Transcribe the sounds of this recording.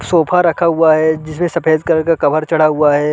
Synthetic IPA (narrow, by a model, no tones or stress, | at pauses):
soːpʰaɾɐkʰaɦuaɦɛd͡ʒɪs̬mẽsɐpeːd̪̚kɐɾkakɐbʱəɾt͡ʃɐɽ̤aɦuaɦɛː